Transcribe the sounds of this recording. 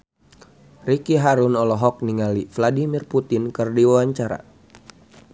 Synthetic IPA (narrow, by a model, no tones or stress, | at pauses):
rikiɦaɾunɔlɔɦɔk̚niŋalifladimirput̪ɪnkɨrdiwawaɲt͡ʃaɾa̰